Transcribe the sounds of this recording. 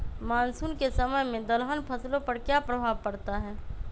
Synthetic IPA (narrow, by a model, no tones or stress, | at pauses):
maːnsuːnkesɐməjmẽd̪ɐlɦənpʰɐslõpɐɾkjaːpɾɐbʱaːʋpɐɽt̪aɦɛː